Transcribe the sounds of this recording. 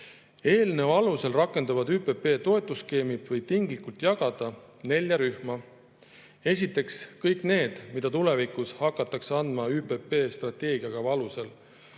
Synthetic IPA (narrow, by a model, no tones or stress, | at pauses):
e̞ːlnevɑluse̞lrɑkˑːe̞nd̪ɑvɑd̪yːpe̞pe̞ːt̪o̞e̞t̪ːˑuske̞ːmibvɤjt̪iŋɡlikult̪jɑɡ̥ɑd̪̥ɑ | ne̞lʲːjɑɾyhmɑ | e̞s̬ʲit̪ːˑe̞kskɤjkˑne̞ːd̪̥mid̪̥ɑt̪ule̞vikushɑkːˑɑt̪ːˑɑkseɑnd̪̥mɑyːpe̞pe̞ːst̪rɑt̪ːˑe̞ːɡ̥iɑɡ̥ɑvɑluse̞l